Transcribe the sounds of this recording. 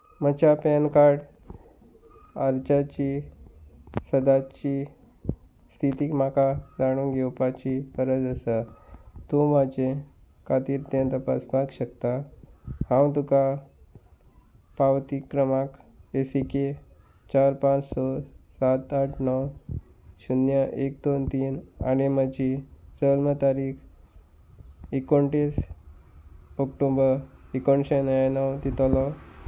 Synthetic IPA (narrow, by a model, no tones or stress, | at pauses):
mət͡ɕapɛnkaɾɽ | əɾt͡ɕat͡ɕi | səd̪at͡ɕi | st̪ʰit̪iːmakad͡zaɽ̃ũŋɡewpat͡ɕipəɾəd̪əsat̪omad͡ʑe | kʰat̪iːɾt̪ẽnt̪əpasbakɕəkt̪a | hãwt̪uka | pawt̪ikːɾəmakesike | t͡ɕaɾpãt͡ssɔsat̪aʈʰnɔw | ɕunjəʔekd̪ont̪iːna̰ñiməd͡ʑid͡zəlmət̪aɾiːk | ikoɳʈis | ɔkʈobəɾikoɳɕenəjanɔwd̪it̪alɔ